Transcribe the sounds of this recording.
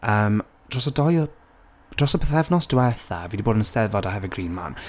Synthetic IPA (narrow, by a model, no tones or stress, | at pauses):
əːm | d̥rɔsɔdɔj | d̥rɔsɔpʰəθɛvnɔsd̥wɛθa̰viːdiboːdənəsɛvɔdaɦɛvɛɡrinma̰n